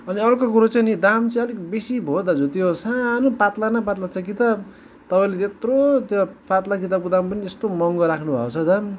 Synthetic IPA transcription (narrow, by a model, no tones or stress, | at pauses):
ʌniʌrkok̬uɾot͡sʌjnid̪amt͡sĩʌlekbesibʱod̪ad͡zut̪iosanopat̪lanʌp̬at̪lat͡sʰʌkit̪ʌb̚ | t̪ʌpaĩlet̪et̪rot̪jopat̪lakit̪ab̚kod̪ampʌniest̪omʌŋɡʌɾakʰnubʱʌ̰kot͡sʰʌd̪am